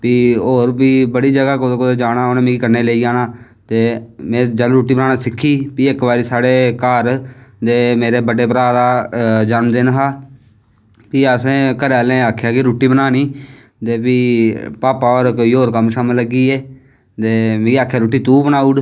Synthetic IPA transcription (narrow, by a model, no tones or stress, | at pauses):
piːoːɾpiːbəɽiːd͡ʒəɡaːkod̪kod̪eːd͡ʒaːnaːoːnẽːmẽːɡiːkəneːleːiːaːnaː | t̪eːmẽːd͡ʒəlɾuːʈːiːbənaːnaːsɪkʰːiːpiːɪkbaːɾiːsaːɽeːkəːɾd̪eːmeːɾeːbəɖeːpəɾaːd̪aːd͡ʒənmd̪enɦaː | piːəsẽːkəɾɛːlẽːaːkʰjaːkiɾuːʈiːbənaːniː | t̪eːpiːpaːpaːoːɾkoiːɦoːɾkəmʃaːmẽləɡiːeː | t̪eːmẽːaːkʰjaːɾuːʈːiːt̪uːbənaːuɽ